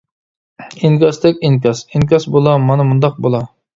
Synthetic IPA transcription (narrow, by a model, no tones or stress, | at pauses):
eŋkʲɑst̪ɛkʲiŋk̬ʲɑsiŋkʲɑsbolˠɑmɑnɨmund̪ɑq̚bolˠɑ